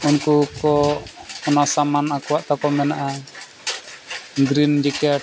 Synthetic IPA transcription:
unkukɔɔnasamanakuwaʔt̪ɔkɔmɛnaʔa | ɡɾind͡ʒɛka

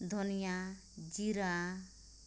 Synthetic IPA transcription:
d̪ʱɔnija | d͡ʒiɾa

